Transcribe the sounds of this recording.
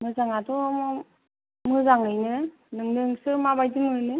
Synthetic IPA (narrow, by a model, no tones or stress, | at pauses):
mɯzaŋatɔm | mɯzaŋɯjnɯ | nɯŋnɯŋsɯmabajdimɯnɯ